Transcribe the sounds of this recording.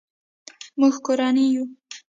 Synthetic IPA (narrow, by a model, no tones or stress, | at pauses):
muɡkoɾaniju